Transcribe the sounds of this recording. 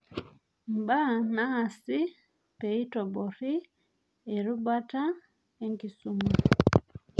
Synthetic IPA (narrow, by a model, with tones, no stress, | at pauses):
m̩˨ba˦naː˦˨si˦ | pe˨i˦tɔ˨bɔ˨ɾi˦ | e˨ɾu˦ba˦ta˦ | e˦ŋki˨su˦mu˦